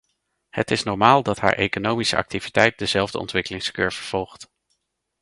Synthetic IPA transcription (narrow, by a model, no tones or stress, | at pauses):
hə̰tɪsnɔɹmaːlˠdɑtɦa̰ːɹʔḛjkonowmisə̰ʔɑ̰k̚tivitɛjt̚dəzɛlˠvdəɔ̰ntʋɪkəlɪŋskøːɹvəɹv̥ɔlˠχt